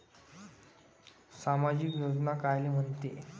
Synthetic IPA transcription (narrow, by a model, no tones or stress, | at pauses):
samad͡ʑikjod͡znakajlem̤ənt̪e